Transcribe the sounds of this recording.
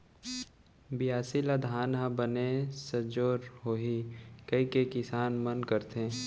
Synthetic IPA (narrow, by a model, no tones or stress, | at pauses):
bɪjaːsilad̪ʱaːnɦãbənesəd͡ʒoːɾɦoːɦikɐikekɪsaːnmənkəɾt̪ẽː